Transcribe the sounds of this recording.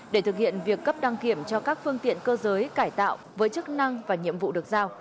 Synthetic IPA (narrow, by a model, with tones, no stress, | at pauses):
ɗe˧˩t̪ʰɨ˨˩k̚hḭ˧˨ənvi˨˩əkːə˦˥p̚ɗa˧ŋki˧˩əmt͡ɕɔ˧kaː˦˥k̚fɨ˧əŋt̪ḭ˧˨ənkəː˧zəː˨˦jkaː˧˩jt̪a̰ː˧˨wvəː˨˦jt͡ɕɨ˦˥k̚na˧ŋvaː˨˩ɲḭ˧˨əmvṵ˧˨ɗɨ˨˩ək̚zaː˧w